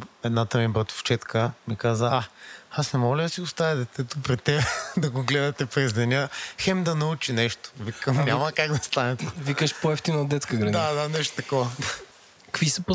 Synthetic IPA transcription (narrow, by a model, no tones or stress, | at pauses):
ɛd̪nat̪ɐmibɾɐt̪o̥ft͡ʃɛt̪kʰəmikazəaasnɛmɔlʲəd̪ɐsiɡʊst̪avɛd̪ɛt̪ɛt̪opɾit̪ɛbɛd̪ɐɡoɡlɛd̪ɐt̪ɛpɾɛzd̪ɛnʲəxɛmd̪ɐnɐut͡ʃinɛʃt̪o̥vikəmnʲamɐkaɡd̪ɐst̪anɛt̪vikəʃpoɛft̪inɐd̪ɛt̪skəɡɾɐd̪ad̪anɛʃt̪o̥t̪ɐkɔvɐd̪a | kkvisəp